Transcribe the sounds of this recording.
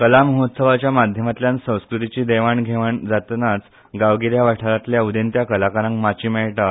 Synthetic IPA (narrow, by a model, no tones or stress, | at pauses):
kəlaməɦot̪səʋat͡ɕjamad̪ʱjəmat̪ljãnsə̃w̃skɾut̪it͡ɕiːd̪eʋaɳɡʱeʋaɳd͡zat̪nat͡s | ɡaʋɡiɾjaʋaʈʰaɾat̪ljaud̪ent̪jakəlakaɾãŋkmat͡ɕiːmɛɭʈa